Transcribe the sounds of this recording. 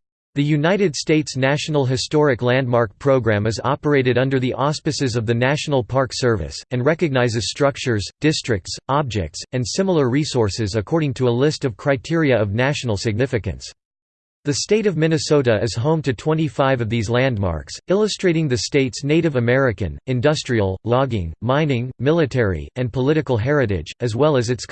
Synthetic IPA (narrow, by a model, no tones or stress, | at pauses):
ðɨjʉnaɪɾɨd̥steɪtsnæʃn̩l̩ˠɦɨstɔɹɨklæ̃nd̚mɑɹk̚pʰɹ̥oʊɡɹæ̃mɨzɑ̰pə˞eɪɾɨɾʌ̃ndə˞ðiʔɑspɨsɨzʌvðɨnæʃn̩l̩ˠpʰɑɹksɜ˞vɨ̰sɨ̃nɹɛkɨɡ̚naɪzɨz̥stɹ̥ʌk̚t͡ʃə˞zd̥ɪstɹ̥ɨk̚tsɑb̚d͡ʒɛ̰k̚tsɨ̃nsɪ̃ml̩ˠə˞ɹisɔɹsɨzɨkʰɔɹɾɪ̃ŋtʰəəlɪstʌv̥kʰɹ̥aɪtʰɪɹiɨʌvnæʃn̩l̩ˠsɨɡ̚nɪfɨkɨ̰̃ns | ðɨsteɪɾʌvmɪ̃nɨsoʊɾɨɨz̥ɦõʊ̃mtʰɨtʰw̥ɛ̃ñifaɪvʌvðizlæ̃ndmɑ̰ɹksɪlˠəstɹ̥eɪɾɪ̃ŋðɨsteɪtsneɪɾɨvɨmɛɹɨkɨ̰̃nɨ̃ndʌstɹ̥iəl̩ˠlɑɡɪ̰̃ŋmãɪ̃nɪ̃ŋmɪlˠɨtʰɛɹḭɨ̃npʰəlɪɾɨkl̩ˠɦɛɹɨɾɪ̰̥d͡ʒɨzwɛlˠəzɨts